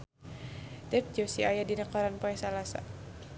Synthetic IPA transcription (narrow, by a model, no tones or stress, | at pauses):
dɛp̚d͡ʒosiajadinəkɔɾanpɔɛsalasa̰